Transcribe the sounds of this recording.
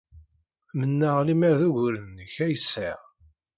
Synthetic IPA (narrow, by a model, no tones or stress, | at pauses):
mənːəʁlimæɾðuʝʊɾənːəçæjəsːa